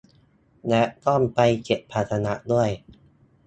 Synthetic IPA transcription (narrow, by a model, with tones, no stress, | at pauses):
lɛ˦˥ʔt̪ɔ˥˩npa˧jke˨˩pʰːaː˨˩t̪ʰːa˧na˦˥ʔdu˥˩əj